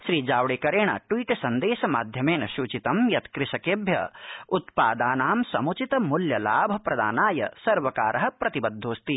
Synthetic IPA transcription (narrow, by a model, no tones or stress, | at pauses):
ʃɾiːd͡ʒaːwɽeːkɐɾeːɳ̃ɐa̰ʈwiːʈsɐnd̪eːʃɐmaːd̪ʱjɐmeːnɐʃuːt͡ʃit̪ɐmjɐt̪kɾɪʃɐkeːbʱjɐ̰ut̪paːd̪aːnaːmsɐmut͡ʃit̪ɐmuljɐlaːbʱɐpɾɐd̪a̰ːnaːjɐ̰sɐɾʋɐkaːɾʔɐɦɐ̆pɾɐt̪ibɐd̪ʱːoːst̪i